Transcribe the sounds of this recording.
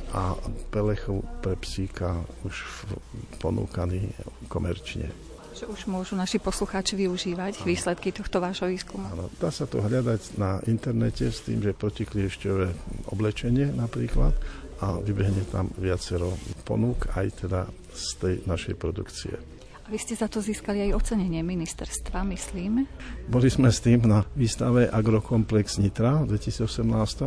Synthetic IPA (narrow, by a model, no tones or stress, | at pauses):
ʔapɛlɛxupɾɛpsiːkauʃ | pɔnṵːkaniːkɔmɛɾt͡ʃɲɛ̰ | ʒɛuʒmʊɔʒunaʃipɔsluxaːt͡ʃiʋiuʒiːʋaɟʋiːslɛt̪kit̪ɔxt̪ɔʋaːʒɦɔʋiːskumaːnɔd̪̥aːsat̪ɔɦʎad̪aɟnaʔint̪ɛɾnɛcɛst̪ḭːmʒɛpɾɔciklɪɛʃcɔʋɛɔ̰blɛt͡ʃɛɲɪɛnapɾiːkla̰t̪aʋibɛɦɲɛt̪a̰mʋɪat͡sɛɾɔpɔ̰nuka̰jt̪ʰɛd̪a | st̪ɛjnaʃɛ̰jpɾɔd̪ukt͡sḭɛ̰ | aʋiscɛzat̪ɔziːskaliajɔt͡sɛɲɛɲɪɛminist̪ɛɾst̪ʋamisliːmbɔlizmɛst̪iːmnaʋiːst̪aʋɛʔaɡɾɔkɔmplɛɡz̥ɲit̪ɾad̪ʋɛcisiːd͡zɔsɛmnaːst̪ɔ